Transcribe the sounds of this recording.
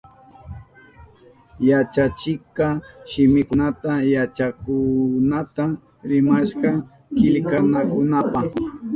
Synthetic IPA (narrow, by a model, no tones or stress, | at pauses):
jat͡ʃat͡ʃɪkaʃɪmɪkʊnat̪ajat͡ʃakʊnat̪a | ɾɪmaʃkɑ | kɪʎkanakʊnapa